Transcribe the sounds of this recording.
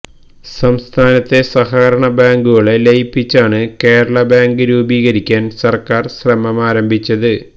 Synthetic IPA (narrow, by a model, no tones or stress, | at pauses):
sɐmst̪ʰaːnɐt̪ːe̞sɐɦaːɾɐɳɐbaːŋɡuɣɐɭelejpːit͡ɕːaːɳɨke̞ːɾɐɭɐbaːŋɡɨɾuːbiːɣɐɾikʲːaːnsɐrkaːrɕrɐmɐmaːɾɐmbʱit͡ɕːɐðɨ